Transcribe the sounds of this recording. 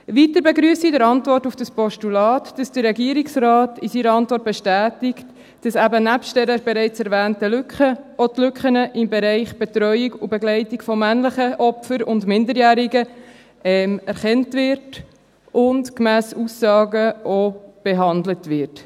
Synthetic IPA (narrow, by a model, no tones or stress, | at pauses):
ʋitəɾbeɡɾyːsidəɾɑntvɔrtufd̥ɑspɔʃtulɑːtd̥ɑsd̥əɾːɛɡiəɾɪksɾɑːtɪsiːɾəɑntvɔrt̚b̥ɛʃtæːtɪkt | d̥ɑsæbənæpʃttɛɾəɾbeɾɛɪt͡sɛɾvæːntəlʏkχəotlʏkχənəʔɪmbeɾɛɪχb̥ɛtɾœʏiɡubɛɡlɛɪtɪɡfɔmænləχəʔɔpfəɾʊndmɪndəɾjæːɾɪɡə | ɛmɛɾχɛntvɪɾt | ʊntkmæːsusːɑːɡəʔob̥eɦɑndlətʋɪɾt